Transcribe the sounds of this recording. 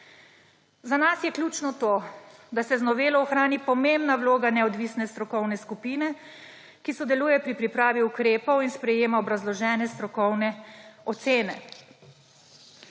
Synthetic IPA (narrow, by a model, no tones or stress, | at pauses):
zanasjɛklʲjut͡ʃnɔt̪oːd̪asɛznɔʋeːlɔɔxɾaːnipɔmembnawloːɡanɛɔd̪ʋisnɛst̪ɾɔkɔwnɛskupiːnɛ | kisɔd̪ɛluːjɛpɾipɾipɾaːʋiukɾeːpɔwinspɾɛjeːmaɔbɾazlɔʒɛːnɛst̪ɾɔkɔwnɛɔt̪seːnɛ̰